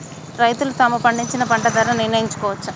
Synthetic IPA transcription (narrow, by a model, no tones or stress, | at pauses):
ɾɐjt̪ulut̪ɐmupɐɳɖiɲt͡ʃinɐpɐɳʈɐd̪ɐːɾɐniɾnɐjiɲt͡ʃu̥kɔːʋɐt͡ʃːu